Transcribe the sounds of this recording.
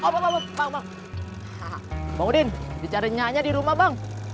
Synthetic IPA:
obababaŋbaŋbaŋ | habaŋudɪndit͡ʃaɾiɲaɲadiɾumabaŋ

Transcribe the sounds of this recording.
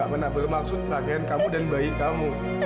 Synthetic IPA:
abənabəkmak̚sut̚tɾakɛnkamudənbəjikamo

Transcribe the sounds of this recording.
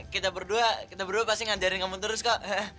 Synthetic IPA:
kit̪abərduakit̪abərduapast̪iŋad͡ʒaɾɪnkamut̪̬əɾʊskaʔa

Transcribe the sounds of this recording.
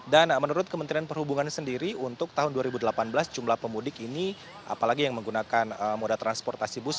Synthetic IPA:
danmənuɾʊt̪̚kəmənt̪ɾianpərhubuŋansəndiɾiunt̪ʊk̚t̪aɦʊnduaɾibudəlapanbəlasd͡ʒumlahpəmudɪkini | ʔa̰palaɡijaŋməŋɡunakanəmodat̪ɾanspɔrt̪asibus

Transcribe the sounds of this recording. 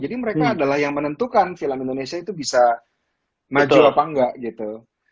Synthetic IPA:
d͡ʒadiməɾekaːdalahjaŋmənənt̪ukanfiləmindonesiait̪ubisa | mad͡ʒuapaŋɡaʔɡit̪u

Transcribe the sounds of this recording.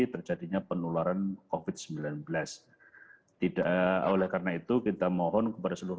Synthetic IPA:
t̪ərd͡ʒadiɲapənulaɾankofɪt̪̚səmbilanbəlas | t̪idaʔolɛhkaɾənait̪ukit̪amɔɦɔnkəpadasəluɾ

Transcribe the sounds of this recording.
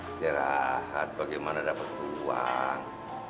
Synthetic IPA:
siɾaɦat̪̚baɡajmanadapat̪̚ːua̰ŋ

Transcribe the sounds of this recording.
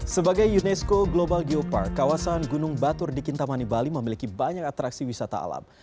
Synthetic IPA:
səbaɡajunɛskoɡlobalɡiopa̰rkːawasanɡunʊŋbat̪ʊrdikint̪amanibaliməmilikibaɲak̚at̪ɾaksiwisat̪a̰a̰la̰m

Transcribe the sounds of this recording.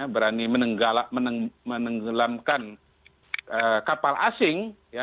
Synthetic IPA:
abəɾanimənəŋɡalamənəmənəŋɡəlamkan | əkapalʔasɪŋja

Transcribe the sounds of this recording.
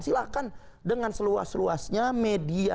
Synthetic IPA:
silakan | dəŋansəlua̰slua̰sɲamedia

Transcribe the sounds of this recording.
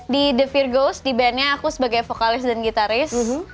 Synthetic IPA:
didəfirɡosdibɛnɲaːkusəbaɡajfokalɪsdanɡit̪aɾɪs

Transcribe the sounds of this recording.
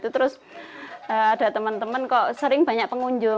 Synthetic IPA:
t̪ut̪əɾʊs | əad̥a̤t̪əmənt̪əmənkɔsəɾɪŋb̥ä̤ɲaʔpəŋuɲd͡ʒʊ

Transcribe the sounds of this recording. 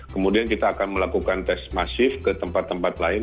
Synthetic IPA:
kəmudiankit̪aːkanməlakukant̪ɛsmasɪfkət̪əmpat̪ːəmpat̪laɪn

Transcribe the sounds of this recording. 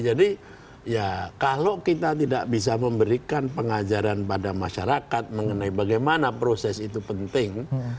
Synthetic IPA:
d͡ʒadi | jakalokit̪at̪̬ida̰ʔbis̬aməmbəɾikanpəŋad͡ʒaɾanpadamaʃaɾakat̪̚məŋənaibaɡajmanapɾosɛsit̪upənt̪ɪŋ

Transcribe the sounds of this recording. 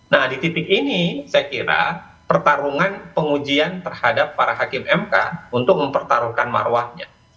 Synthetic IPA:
nahdit̪ip̪ɪk̚inisajakiɾa̰ | pərt̪aɾuŋanpəŋud͡ʒiant̪ərhadapːaɾaɦakɪmɛmka̰unt̪ʊk̚məmpərt̪aɾuhkanma̰rwahɲa̰

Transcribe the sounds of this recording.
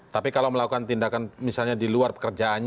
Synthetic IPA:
t̪apikalawməlakukant̪indakanmisalɲadiluarpə̥kərd͡ʒaːnɲ

